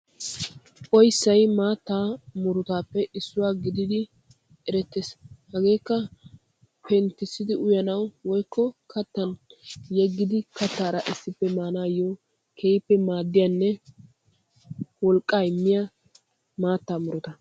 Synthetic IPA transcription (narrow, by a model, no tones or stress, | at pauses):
ʔɔjsːɐjmaːt̪ːaːmʊɾʊt̪aːpːɛʔɪsːʊwaːɡɪd̪ɪd̪ɪ | ɛɾɛt̪ːeshɐɡe̞ːkːɐ | pɛnt̪ːɪsːɪd̪ɪʊjɐnɐwwɔjkːɔkʰɐt̪ːɐnjɛɡːɪd̪ɪkɐt̪ːaːɾɐʔɪsːɪpːɛmaːnaːjo | kʰejpːɛmaːd̪ːɪjaːnːɛ | wɔlkʼːaːɪmːɪjɐ | maːt̪ːaːmʊɾʊt̪ɐ